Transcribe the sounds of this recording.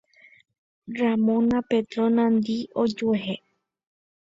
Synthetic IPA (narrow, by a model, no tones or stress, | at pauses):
ramõnapet̪ɾõnãnd̪iod͡ʒueɦe